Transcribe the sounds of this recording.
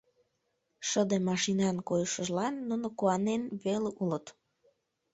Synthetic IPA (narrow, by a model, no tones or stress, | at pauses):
ʃəd̪emɑʃinɑnkojəʃəʒlɑnːunokuɑnenβeleulət̪